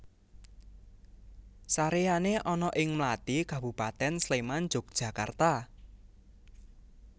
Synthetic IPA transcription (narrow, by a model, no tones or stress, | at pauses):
saɾejaneʔɔnɔʔɪŋmlat̪ikabupat̪ɛnsleman̥d͡ʒʊ̤k̚d̥ʒ̥ä̤ka̰rt̪a